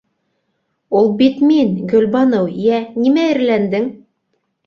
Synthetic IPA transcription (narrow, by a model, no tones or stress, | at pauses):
ulˠbit̪minɡɵ̆lbɑnɤwjænimæɘ̆ɾlænd̪ɘŋ